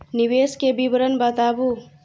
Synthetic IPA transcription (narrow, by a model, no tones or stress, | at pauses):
nibeskebibɾənbət̪abu